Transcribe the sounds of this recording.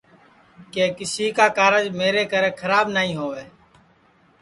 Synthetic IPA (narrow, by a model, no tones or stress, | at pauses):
keːkɪsiːkaːkaːɾəd͡ʒmeːɾeːkəɾeːkʰəɾaːbnaːɦĩːɦoːʋeː